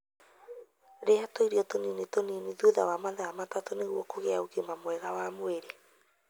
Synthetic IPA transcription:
ɾeatoiɾiɔtoninetoniniðuða̰wamaðaamatatoneɣwɔkoɣɛaoɣemamwɛɣawamweɾe

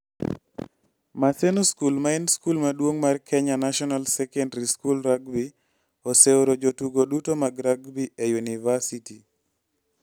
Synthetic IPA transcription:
masenoskulmaenskulmadwoŋmarkʰɛɲanaʃɔnalsɛkɛndɾiskulɾaɡbi | oseoɾod͡ʒotuɡodutomaɡɾaɡbiejunivasiti

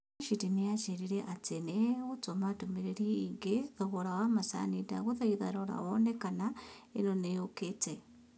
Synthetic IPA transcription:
ʃitinijat͡ʃeɾiɾeʔat͡seneut͡somatumeɾeɾiːŋɡeðoɣoɾawamasa̰nita̰ɣuðaiðaɾoɾa̰wonekanaenonejoket͡se

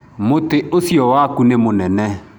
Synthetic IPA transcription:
moteʔosjɔwakunemonɛnɛ

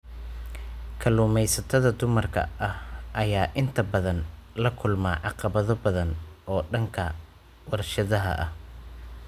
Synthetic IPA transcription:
kʰɐluːmɛjsɐt̪ʰɐðɐd̪ʊmɐrkʰɐ̰ʔɐhʔɐjaːʔɪnt̪ʰɐbɐðɐnlɐkʰʊlmaːʕɑqɑβɐðɔbɐðɐnʔɔːɖɐŋkʰɐ | wɐrʃɐðɐɦɐ̰ʔɐh

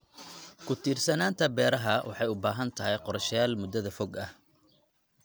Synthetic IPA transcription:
kʰʊt̪ʰiːrsɐnaːnt̪ʰɐbɛːɾɐɦɐwɑ̰ħɑjʊbaːɦɐnt̪ʰɐɦɛjqɔɾɐʃjaːlmʊd̪ɐðɐfɔɡɐh

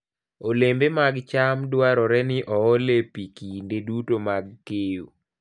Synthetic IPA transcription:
olembemaɡt͡ʃamdwaɾɔɾɛnɪʔɔːlepikindedutomaɡ̚kejo̰

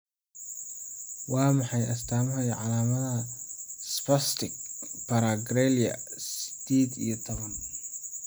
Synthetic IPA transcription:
wɑːmɑħɑjʔɐst̪ʰaːmɐɦɐjʕɑlaːmɐðɐspɐst̪ʰɪk̚pɐɾaɡɾɛliɐ̰sɪ̥d̪̥eːd̪ḭjɔt̪ʰɔβɐn

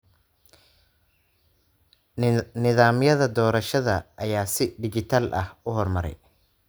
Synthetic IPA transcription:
nɪðaːmjɐðɐd̪ɔːɾɐʃɐðɐʔɐjaːsɪɖɪt͡ʃɪt̪ʰaːlʔɐ̰hʊɦɔrmɐɾɛ̰j

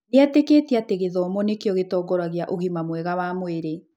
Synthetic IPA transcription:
eateketiateɣeðɔmɔnekjɔɣetɔːɡɔɾaɣeaʔoɣimamwɛɣawamweɾe

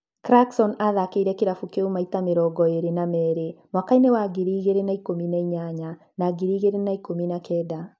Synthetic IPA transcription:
kɾaksɔnaðakeiɾɛkeɾafukeumaitameɾɔɡɔeɾenamɛːɾemwakainewaɡiɾiːɣeɾenaikominaiɲaɲa | naːɡiɾiːɣeɾenaikominakʰɛda

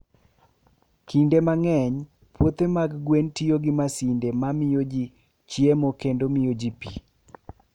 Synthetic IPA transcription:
kindemaŋɛɲ | pwot̪emaɡɡwentijoɡɪmasindemamɪjod͡ʒi | t͡ʃjemokendomɪjod͡ʒipi

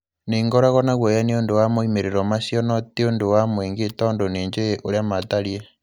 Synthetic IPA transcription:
neŋɡoɾaɣɔnaɣwejaneondowamoimeɾeɾɔmasjɔnɔtiondowamweːŋɡetɔndoneːɲd͡ʒeʔoɾeamataɾje

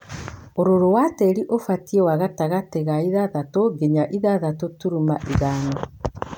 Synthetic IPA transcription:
oɾoɾowateɾiʔofatiɛwaɣataɣateɣaiðaðatoɡeɲaʔiðaðatotuɾumaʔiɣaːnɔ

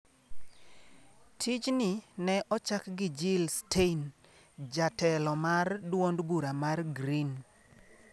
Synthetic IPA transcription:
tʰit͡ʃnɪnɛʔɔt͡ʃakɡɪd͡ʒɪlstʰein | d͡ʒatɛlɔmardwondbuɾamarɡɾin

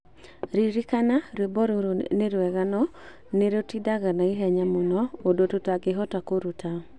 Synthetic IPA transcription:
ɾiɾikanaɾebɔɾɾneɾwɛɣanɔ | neɾotidaɣanaiɦɛɲamunɔodototaɡɪɦɔtakoɾutʰa

